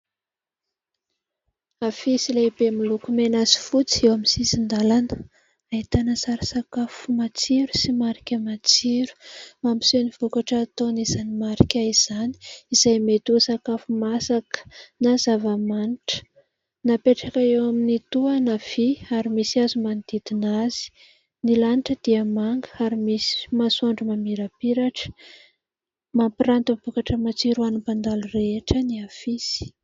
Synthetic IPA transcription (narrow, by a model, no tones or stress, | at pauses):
afisilebemilukumenazi̥fut͡si̥ewamisizind̪alanə | aɦit̪anəsaɾisakafumat͡siɾusimaɾi̥kʲəmat͡siɾu̥mampi̥seniv̥ukaʈ͡ʂəːt̪onizanimaɾikʲaiz̥aniizajmet̪uəsakafumasakə̥nazavəmaniʈ͡ʂə̥ | napeʈ͡ʂakaewaminit̪uanav̥iaɾimisiazumand̪̥id̪inaz̥i̥ | nilaniʈ͡ʂəd̪̥iəmaŋɡəaɾimisi̥masuaɳɖ͡ʐumamiɾapiɾaʈ͡ʂə̥ | mampirant̪ib̥ukaʈ͡ʂəmat͡siɾuanupand̪alureeʈ͡ʂəniafisi̥